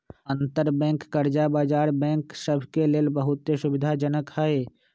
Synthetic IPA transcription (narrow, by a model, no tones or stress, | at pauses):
ə̃nt̪əɾbɛ̃ːŋkːəɾd͡ʒabaːd͡ʒaːɾbɛ̃ːŋksəbʱkeleːlbəɦʊt̪ːeʃʊbɪd̪ʱad͡ʒənəkɦəeː